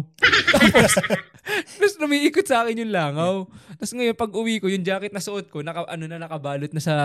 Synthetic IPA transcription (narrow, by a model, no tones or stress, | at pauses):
t̪aːpos | pʊsnʊmiːʔiːkot̪̚sɐʔaːkɪnjʊnlaːŋɐwt̪ɐsŋɐjo̞npɐɡʔʊwiːkojʊnd͡ʒaːkɪt̪̚nɐsʊʔot̪̚ko̞nɐkɐʔɐno̞nɐnɐkɐbaːlot̪̚nɐsɐ